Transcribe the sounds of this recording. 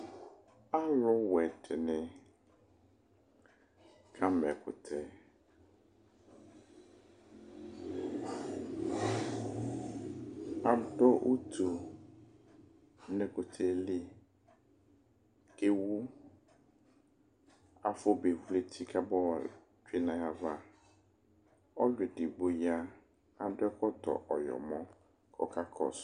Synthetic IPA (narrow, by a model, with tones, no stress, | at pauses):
a˦lʊ˦wɛ˨tʰɪ˨nɛ̃˨ | kʰa˦mɛ˨kʰʊ̰˨t̪ʰɛ˦ | a˨ɖɔ˦ʔo˦t̪ʰu˨ | nɛ̃˨ko˨t̪ʰe˨li˦ | ke˦wu˦ | a˨fo˦be˨vu˦le˦t̪ʰi˦kʰa˦bɔ˦wa˨ | d͡ʒᶣi˦nã˨ja˨va˦ | ɔ˦le˨ɖi˨ɡ͡bo˨ja˦ | a˨ɖʊ˦ɛ˦kɔ˦t̪ɔ̰˨ʔɔ˨jɔ̰˨mɔ̃˦ | kʰɔ̰˦ka˦kʰɔ̰˦˨s